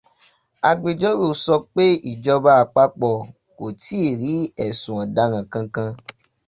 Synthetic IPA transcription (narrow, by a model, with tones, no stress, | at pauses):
a˧ɡ͡be˨d͡ʒɔ˦ɾo˦˨sɔ˧k͡pe˦i˦˨d͡ʒɔ˧ba˦a˧k͡pa˦k͡pɔ˧˨ | ko˨ti˨˦˨ɾi˨˦ɛ˦˨sũ˨ɔ̃˨da˦ɾ̃ã˧kã˧kã˧